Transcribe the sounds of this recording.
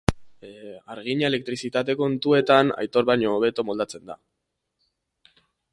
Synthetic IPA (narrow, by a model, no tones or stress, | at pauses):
aɾɣiɲae̞le̞k̚t̪ɾisit̪at̪̬e̞ko̞nt̪ue̞t̪ana̰jt̪o̞ɾβaɲo̞ːβ̞e̞t̪o̞mo̞ld̪at͡se̞nd̪a̰